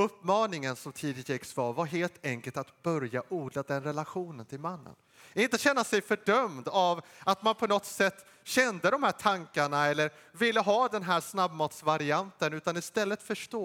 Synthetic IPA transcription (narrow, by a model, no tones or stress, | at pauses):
ɵpːmɑːnɪŋənsɔmt̪ʰiːd̪ɪɛksvɑːɾvaɾɦeːlt̪ɛŋkəlt̪at̪bœɾjaʔuːd̪lad̪ɛnɾɛlaɧuːnənt̪ʰɪlmanːə̰n | ɪnt̪əɕɛnːasɛjfœɖœmd̪avat̪manpʰɔnɔt̪sɛt̪ː | ɕɛnd̪əd̪ɔmhæːʈʰaŋkaɳaɛlːəɾ | vɪlːəɦɑːd̪ɛnɦæːʂnabmɑːt̪svaɾɪant̪ənʉ̟ːt̪anɪst̪ɛlːət̪fœʂʈoː